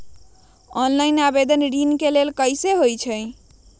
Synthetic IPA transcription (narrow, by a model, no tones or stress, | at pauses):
ɔnlainabed̪ənɾinkelelkəjseɦojt͡ʃʰəj